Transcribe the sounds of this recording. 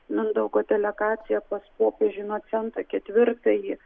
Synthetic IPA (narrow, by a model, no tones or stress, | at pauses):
mʲɪnd̪ɐʊkot̪ʲɛlʲɛkɑːt̪sʲɪjɛpɐspoːpʲeʒʲʊnuɔt͡s̪ʲɛnt̪ɾokʲɛt̪ʲʋʲɪrt̪ɐji